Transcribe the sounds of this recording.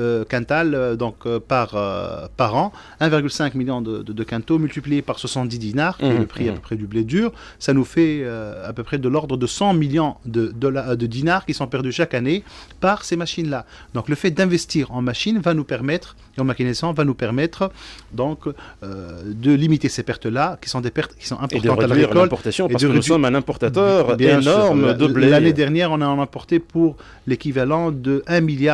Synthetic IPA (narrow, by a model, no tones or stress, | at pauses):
økɛ̃t̪ald̪ɔ̃kpaʁø̰paʁɑ̃ | ɛ̃viʁɡylsɛ̃kmiljɔ̃d̪əəd̪əkɛ̃t̪omylt̪iplijepaʁswasɑ̃t̪̚d̪id̪inaʁkiɛləpχiapøpχɛd̪ybled̪yːʁ | sanufɛøapøpχɛd̪əlɔʁd̪ʁəd̪əsɑ̃miljɔ̃d̪əd̪ɔlad̪əd̪inaʁkʲisɔ̃pɛʁd̪yʃakanepaʁsemaʃinla | d̪ɔ̃kləfɛt̪̚d̪ɛ̃vɛst̪iʁɑ̃maʃinvanupɛʁmɛt̪χ | eɑ̃makinɛsɑ̃vanupɛʁmɛt̪χd̪ɔ̃kød̪əlimit̪esepɛʁt̪əlakʲi̥sɔ̃d̪epɛʁt̪kʲi̥sɔ̃ʔɛ̃pɔʁd̪ɑ̃t̪alakɔlpɔʁt̪asjɔ̃ed̪əeusɔmɛ̃nɛ̃pɔʁt̪at̪œʁbjeɛ̃nsɔʁmd̪əbllaned̪ɛʁnjɛʁɔ̃naɑ̃nɑ̃pɔʁt̪epuʁ | lekʲivalɑ̃d̪əɛ̃milja